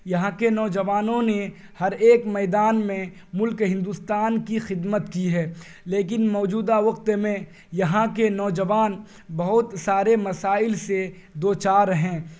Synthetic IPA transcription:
jɐɦãkenɔːd͡ʒəʋaːnõne | hɐɾeːkmɛːd̪aːnmẽ | mʊlkɦɪ̃nd̪ust̪aːnkixɪd̪mət̪kiɦɛː | leːkɪnmɔːd͡ʒuːd̪aʋɐqt̪mẽ | jɐɦãkenɔːd͡ʒəʋaːn | bɐɦʊt̪saːɾemɐsaːɪlse | d̪oːt͡ʃaːɾɦɛ̃ː

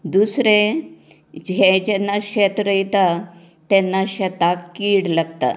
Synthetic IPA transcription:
d̪usɾe | d͡ʑed͡ʑɛnːaɕɛt̪ɾəjt̪a | t̪ɛnːaɕɛt̪akːiːɽlaɡt̪a̰

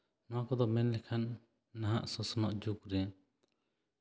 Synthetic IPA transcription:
nɔwakɔd̪ɔmɛnlɛkʰanː | aɦaʔsɔsɔnɔʔd͡ʒukɾɛ

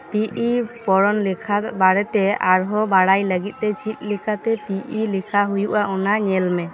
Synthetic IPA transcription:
piipɔɽɔnlikʰabaɽɛt̪ɛaɾɦɔbaɽajləɡit̪̚ˀt̪ɛt͡ʃit̪̚ˀlikʰat̪ɛpiʔilikʰaɦujuʔaʔɔnaɲɛlmɛ

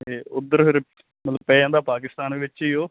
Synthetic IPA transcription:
eːʊd̪ːəɾpɪɾ | mət̪ləpɛ̃ːãːnd̪aːpaːkɪst̪aːnʋɪt͡ʃiːoː

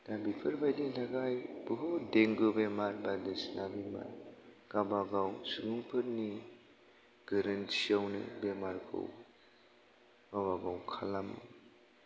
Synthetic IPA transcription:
dabipʰɯɾbajdiŋtʰaɡajb̥ɯɦodeŋɡɯbemaɾbadɯsnabima̰ɾɡ̥abaɡawsɯɡuŋpʰɯɾni | ɡ̥ɯɾɯnsijawnɯ̰bemaɾkʰɯ̰w | ɡabaɡawkʰalamɯ̰

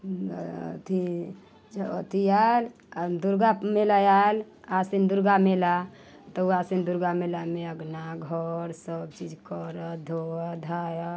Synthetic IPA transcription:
t̪ʰi | d͡ʒəət̪ʰijal | d̪uɾɡamelajal | asind̪uɾɡamela | t̪ɔuasind̪uɾɡamelameəɡnaɡʱəɾsəb̚t͡ʃid͡ʒkəɾəd̪ʱoəd̪ʱajə

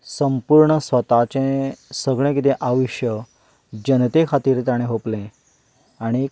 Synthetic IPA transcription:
səmpuɾɳəsʋət̪at͡ɕẽsəɡɭẽkit̪̬ẽʔaʋiɕjə | d͡ʑənt̪ekʰat̪iɾt̪aɽ̃ẽɦoplẽ | aɽ̃i

